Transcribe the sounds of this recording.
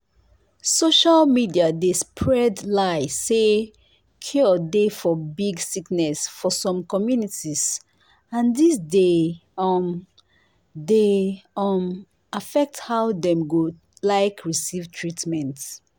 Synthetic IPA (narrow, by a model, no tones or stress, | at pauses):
soʃalmidiadespʰɹɛdlaɪse | kʰɔdefɔbiɡsiknɛsfɔsɔ̃mkɔmjunitiz | ãndisdeɔm | deɔm | afɛk̚thaʊdɛ̃mɡo | laɪkʰɹisivtʰɹitmɛ̃nt